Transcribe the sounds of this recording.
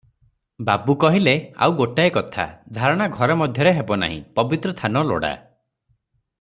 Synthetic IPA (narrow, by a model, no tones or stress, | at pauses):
babukɔɦilea̰wɡoʈaekɔt̪ʰa̰d̪ʱaɾɔɽ̃aɡʱɔɾɔmɔd̪ʱjɔɾeɦebɔna̰ɦḭ̃pɔbit̪ɾɔst̪ʰanɔlo̰ɽa̰